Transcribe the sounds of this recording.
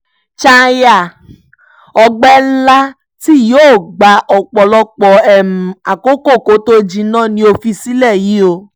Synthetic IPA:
t͡ʃa˧ja˦˨ | ɔ˧ɡ͡bɛ˦la˦ | ti˦joː˦˨ɡ͡ba˨ʔɔ˨k͡pɔ˨lɔ˧k͡pɔ˨ɛ˦˨m̩˨a˨ko˦ko˦˨ko˨˦to˦d͡ʒĩ˧˦nãː˦˨nĩ˧˦o˧fi˧si˦lɛ˦˨ji˨˦o˧

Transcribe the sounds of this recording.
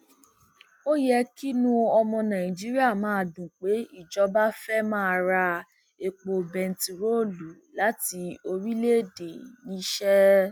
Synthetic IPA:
o˦jɛ˧ki˦nũ˦ɔ˧mɔ̃˧nã˨ĩ˨d͡ʒi˨˦ɾi˦a˦˨mãː˦˧˨dũ˨k͡pe˨˦i˦˨d͡ʒɔ˨˧˦ba˦fɛ˦mãː˦˧ɾa˧ | e˨k͡po˨bɛ˨n̩˨ti˨ɾo˦˨lu˨˦ | la˨˦ti˧o˧ɾi˦le˦˨de˨nĩ˨˦ʃɛ˦

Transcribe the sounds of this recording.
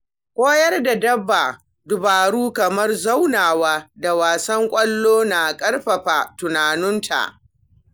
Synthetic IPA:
kʷʼoː˦jɐ˦rda˨dɐ˦bːa˨ | dʊ˨baː˨ɽuː˦kɐ˨mɐ˦rza˦wnaː˨waː˦da˨waː˨sɐ˦ŋkʷʼɐ˦lːoː˦na˨kʼɐ˦ɽɸɐ˨ɸaː˨tʊ˨naː˨nʊ˦ntʰa̰˨ʔ

